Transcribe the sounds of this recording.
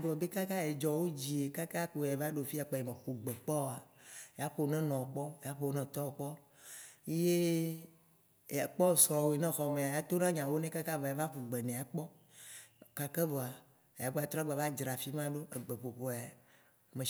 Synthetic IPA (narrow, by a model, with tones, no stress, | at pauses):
bo˨e˨be˦ka˦ka˦e˨d͡ʒɔ˨wo˦d͡ʑi˨e˨ka˦ka˦k͡po˨e˨va˦ɖo˨fi˦a˨k͡pe˨e˨mẽ˨xu˨ɡ͡be˨k͡pɔ˦˨a˨ja˦ɸo˨˦nɛ̃˦nɔ̃˨k͡pɔ˦e˨ja˨˦ɸo˦nɛ̃˦˨t̪ɔ˦˨k͡pɔ˦ | e˦je˦˨ | a˨k͡pɔ˦˨sɔ˨wo˨e˨nɛ̃˦xɔ˨mẽ˨a˨ja˦t̪o˦nã˦ɲã˨wo˦nẽ˦ka˦ka˦va˨ja˨˦va˦ɸu˨ɡ͡be˨nɛ̃˨a˨k͡pɔ˦ | ka˨ke˦vɔ˨a˨ | ja˨bɔ˦a˨t̪ɾa˦ɡ͡ba˨va˦d͡ʒɾa˨fi˦mã˦ɖo˦e˨ɡ͡be˨ɸo˨ɸo˨a˨ | mẽ˨